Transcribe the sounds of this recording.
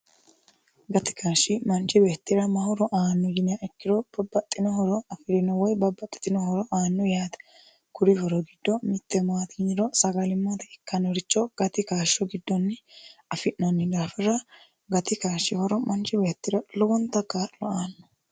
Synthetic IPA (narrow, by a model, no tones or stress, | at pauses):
ɡɐt̪ɪ̥kaːʃːɪmɐnt͡ʃɪbeːt̪ːɪɾɐmɐhɔɾɔʔaːnːɔɡɪnɪjaʔɛkːɪɾɔb̥ɐbːɐt̪ʼːɪnɔhɔɾɔɐfɪɾɪnɔwɔjbɐbːɐt̪ʼːɪ̥t̪ɪnɔhɔɾɔʔaːnːɔjaːt̪ | kʊɾɪhɔɾɔɡɪd̪ːɔmɪt̪ːɛmaːt̪ɡɪɲːɪɾɔsɐɡɐlɪmːɐt̪ɛɪkːɐnɔɾɪt͡ʃːɔɡ̥ɐt̪ɪkaːʃːɔɡɪd̪ːɔnːɛɐfɪʔnɐnːɪd̪aːfɪrɐ | ɡɐt̪ɪkaːʃːɪhɔɾɔmɐnt͡ʃɪbeːt̪ːɪɾɐlɔwɔnt̪ːɐkːalɔaːnːɔ̥